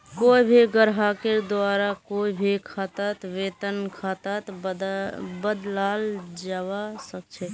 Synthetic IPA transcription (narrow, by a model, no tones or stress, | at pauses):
koibʱiɡəɾɦaked̪waɾakoibʱikʰat̪at̪ʋeːt̪ənkʰat̪at̪ | bəd̪lald͡ʒawasək̚t͡ʃʰɛ